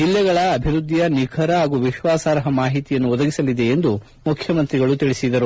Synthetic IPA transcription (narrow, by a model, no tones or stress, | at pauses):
d͡ʒiljɛɡɐɭɐːbʱiɾud̪ʱːijɐnikʰɐɾɐɦaːɡuʋiʃʋaːsaːɾɐɦɐmaːɦit̪ijɐnːuɔd̪ɐɡisɐlid̪e̞end̪u | mukʰjɐmɐnt̪ɾiɡɐɭut̪iɭisid̪ɐɾu